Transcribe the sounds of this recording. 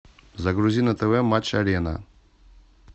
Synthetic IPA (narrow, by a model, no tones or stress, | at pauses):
zɐɡɾuzʲinat̪əvɛmat͡ʃaɾɛna̰